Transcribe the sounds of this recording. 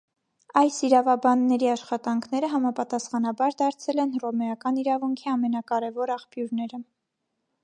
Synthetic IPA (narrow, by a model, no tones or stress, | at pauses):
ɑjsiɾɑvɑbɑnːɛɾiɑʃχɑt̪ɑŋkʰn̪ɛɾəɦɑmɑpɑt̪ɑsχɑnɑbɑɾd̪ɑɾt͡sʰɛlɛnrɔmɛɑkɑniɾɑvuŋkʰiɑmɛnɑkɑɾɛvɔɾɑχpjuɾnɛɾə